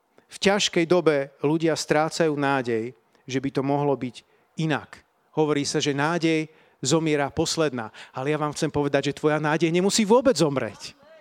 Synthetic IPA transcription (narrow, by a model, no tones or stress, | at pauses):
fcaʃkɛjd̪ɔbɛluɟɪast̪ɾaːt͡sajuːnaːɟɛj | ʒɛbit̪ɔmɔɦlɔbiɟ | inak | ɦɔʋɔɾiːsaʒɛnaːɟɛj | zɔmɪɛɾaːpɔslɛd̪na̰ːalɛjaʋaːmxt͡sɛmpɔʋɛd̪aɟʒɛt̪ʋɔjanaːɟɛjɲɛmusiːʋʊɔbɛd͡zzɔmɾɛ̰c